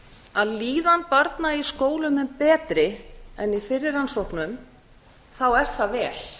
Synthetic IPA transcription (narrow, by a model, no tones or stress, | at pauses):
aðliːðanpaɾt̪naiskoːwlʏmɛnpɛːt̪ɾɪɛ̰nifɪrːɪɾansowhknʏm | θawɛɾ̥θavɛːl̥